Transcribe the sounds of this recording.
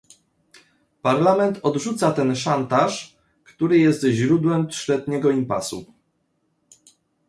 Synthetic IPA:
paɾlamɛnt̪ɔd̪ʐut̪sat̪ɛnʂant̪aʂ | kt̪uɾɘjɛst̪ʑɾud̪wɛmpʂlɛd̪ɲɛɡɔimpa̰sṵ

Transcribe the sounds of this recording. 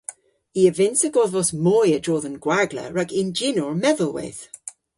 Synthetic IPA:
iəvɪnsəɡɔðvɔsmɔjədɹɔːðənɡ̥waɡlə̰ɹaɡʰɪnd͡ʒɪnɔɹmɛðəlˠwɪ̰ð̥

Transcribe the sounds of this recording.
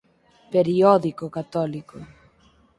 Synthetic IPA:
peɾiɔðikokat̪ɔliko

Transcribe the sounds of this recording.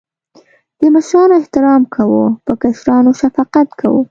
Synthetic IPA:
d̪̥əmaʃɾɑnoɪht̪ɪɾɑmkʰawopəkaʃɾɑnoʃafɑqat̪kʰawo̰

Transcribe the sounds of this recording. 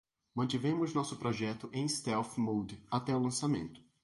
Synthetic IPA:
mɐ̃nt̪ivẽmʊznɔsʊpɾɔʒɛt̪ʊʔẽj̃st̪ɛwfmowd̪at̪ɛʊlɐ̃samḛ̃nt̪ʊ̥

